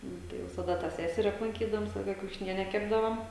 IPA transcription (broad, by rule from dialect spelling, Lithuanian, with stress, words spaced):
ˈnʊ tɐɪ ʋʲɪsɐˈdɐ tɑː ˈsʲæːsʲɛrʲɪ ɐplˠɐŋʲˈkʲiːdɐʋoːm ˈʋʲɪsɐ ˈlˠɐɪkɐ kʲɛʊʃʲɪˈnʲiɛnʲɛ ˈkʲæːbdɐʋoːm